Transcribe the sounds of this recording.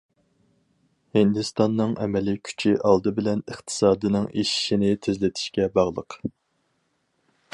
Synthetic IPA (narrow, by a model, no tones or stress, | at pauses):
hɪnd̪ɨst̪ɑnːɨŋʔɛ̰mɛlɪkʲʰy̥t͡ʃʰiʔɑlˠd̪ɨbɪlɛnɨχt̪ʰɨ̥sɑːd̪ɨnɪŋeʃi̥ʃinɪt̪ʰezlɪt̪ʰɪ̥ʃkʲɛbɑʁlˠəq